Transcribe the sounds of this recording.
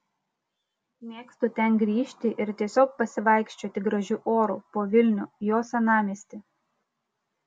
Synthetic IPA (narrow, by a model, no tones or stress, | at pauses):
mʲeːkst̪uːt̪ʲɛnɡɾʲiːʃʲt̪ʲɪʔɪɾt̪ʲiɛsʲoːk̚pɐsʲɪʋɐɪkʃʲt͡ʃʲoːt̪ʲɪɡɾɐʒʲʊʔoːɾuːpoːʋʲɪlʲnʲʊːjoːsʲɛnɑːmʲisʲt̪ʲɪ